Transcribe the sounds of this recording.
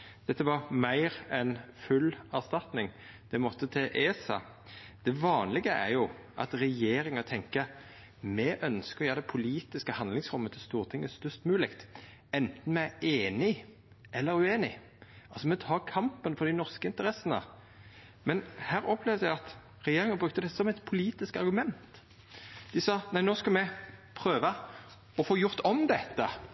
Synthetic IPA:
d̪̥ɛt̪ːəʋɑmæɪɾɛnfʉlːæʁst̪ɑt̪nɪŋ | d̪̥ɛmɔt̪ʰːət̪ʰeʔeːsɑ̰ | d̪̥ɛʋɑːnlɪɡəʔæ̰ɾjʊ | ʔɑ̰t̪ɾɛjeːɾɪŋət̪ʰɛŋkə | mɛʔœnskəɾjæːd̪ɛpʰʊliːt̪ɪskəhɑnd̪lɪŋsɾʊmːət̪ʰɪlst̪uːʁt̪ʰɪŋːəst̪œst̪mʉːlɪkt̪ | ɛnt̪n̩mɛæeːnɪ | ʔɛlːəɾʉeːnɪ | ʔɑlsɔmɛt̪ʰɑːkʰɑmpənfɔʁd̪ɪnɔʁskəɪnt̪əɾɛsənə̰ | mɛnhæːɾɔpʰlɛʋd̪jæɪɑt̪ | ɾɛjeːɾɪŋəbɾʉk̚t̪əd̪ɛsɔmɛt̪pʰʊliːt̪ɪskɑɾɡʉmɛnt̪ | d̪̥ɪsɑːnæɪnoːskɑlmɛpʰʁøːʋə | ɔfoːjʊʁt̪ʰɔmd̪ɛt̪ːə

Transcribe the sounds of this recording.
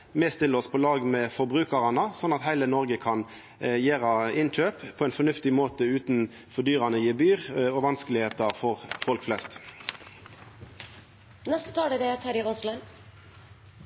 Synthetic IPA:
mest̪ɪləɔspʰɔlɑːɡmɛfɔʁbʁʉːkəʁɑnəsɔnːɑt̪hæɪlənɔʁɡəkʰɑn | jeːʁɑɪnc͡çøːppʰɔɛɪnfɔnʉft̪ɪmoːt̪əʉːt̪n | fɔd̪yːʁɑnəjiːbyːʁɔʋɑnskəlɪheːt̪ɑfɔʁfɔlkflɛst̪ | nɛst̪ə̥t̪ʰɑːɖəd̪eæt̪ʰæɾɪoslən

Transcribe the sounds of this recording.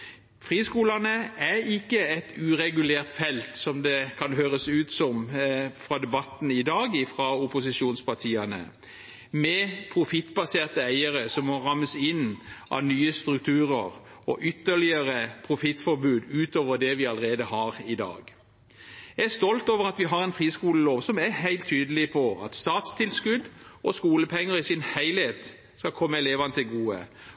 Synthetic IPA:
fʁiːskuːlɑnəæɾɪkːəɛt̪ʰʉːʁɛɡʉleːʁt̪fɛlt̪sɔmd̪ɛkʰɑnɦøːʁəsʉːt̪sɔmfʁɑd̪ɛbɑt̪n̩ɪd̪ɑːɡɪfʁɑʊpʊsɪʃuːnspɑʈʰiːɑnə̰ | mɛpʰʁʊfɪt̪ːbɑseːʁt̪əæɪəɾəsɔmːɔʁɑməsɪnʔɑ̰ʋnyːəst̪ɾʉk̚t̪ʰʉːɾəʁ | ɔ̰ʔʏt̪ːəlɪəɾəpʰʁʊfɪt̪ːfɔbʉːd̪ʉːt̪oːʋəd̪ɛʋɪɑləʁeːd̪əhɑʁɪd̪ɑ̰ːɡ | ɑæst̪ɔlt̪oːʋəʁɑt̪ʋɪɦɑɾɛnfʁiːskuːləloːʋsɔmæhæɪlt̪ʰːyːd̪əlɪpʰɔɑ̰t̪st̪ɑːt̪st̪ʰɪlskʉd̪ʔɔskuːləpʰɛŋːəɾɪsɪnhæɪlheːt̪ | skɑkʰɔmːəɛleːʋɑnət̪ɪlɡuːə̰

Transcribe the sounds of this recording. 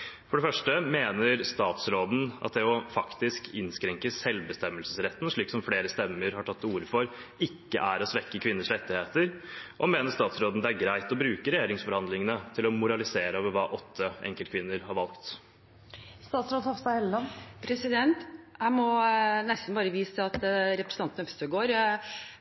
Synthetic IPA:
fɔɖɛfœʂʈəmeːnəɾst̪ɑːt̪sɾoːd̪n̩ɑ̰t̪̚d̪ɛɔfɑkt̪ɪskʰɪnskɾɛŋkəsɛlʋbəst̪ɛmːəlsəsɾɛt̪ːn̩ʂɭiːksɔmfleːɾəst̪ɛmːəɾhɑʈʰɑt̪ːuːɾəfɔɾɪkːə̰ʔæɾɔsʋɛkːəkʰʋɪnːəʂlɛt̪ːɪheːt̪əɾʔɔmeːnəʂt̪ɑːt̪sɾoːd̪n̩d̪ɛæɾɡɾæɪt̪ɔbɾʉːkəɾɛjeːɾɪŋsfɔɾhɑnd̪lɪŋənət̪ʰɪlɔmʊɾɑlɪseːɾəoːʋəɾʋɑːʔɔt̪ʰːəɛ̰ŋkəlt̪kʰʋɪnːəɾhɑɾʋɑlkt̪ | st̪ɑːt̪sɾoːd̪hɑfst̪ɑhɛllɑnpʰɾɛsɪd̪ɛnt̪hæɪmɔnɛst̪n̩bɑːɾəʋiːsəɑt̪ɾɛpɾəsn̩ʰɑnt̪n̩œfst̪əɡoːɾ

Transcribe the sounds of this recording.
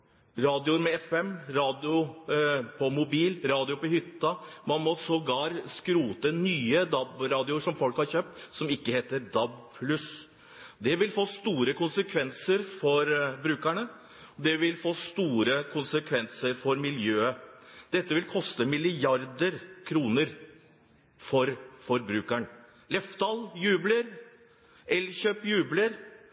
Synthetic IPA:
ɾɑːd̪ɪʊɾmɛɛfɛmɾɑːd̪ɪʊ | pʰɔmʊbiːlɾɑːd̪ɪʊpɔhʏt̪ːɑmɑnmɔsɔɡɑːɾskɾuːt̪ənyːəd̪ɑbɾɑːd̪ɪʊʂɔmfɔlkhɑɾçøːp̚t̪sɔmɪkːəheːt̪əɾd̪ɑb̚pʰlʉs | d̪ɛʋɪlfoːst̪uːɾəkʊnsəkʰʋɛnsəɾfɔɾbɾʉːkæɳə | ɔd̪ɛʋɪlfoːst̪uːɾəkʰʊnsəkʰʋɛnsəɾfɔɾmɪljøːəd̪ɛt̪ːəʋɪlkʰɔst̪əmɪlɪɑɾd̪əɾkʰɾuːnəɾ | fɔɾfɔɾbɾʉːkæɳ | lɛft̪ɑljʉːbləɾ | ɛlçøːpjʉːbləɾ

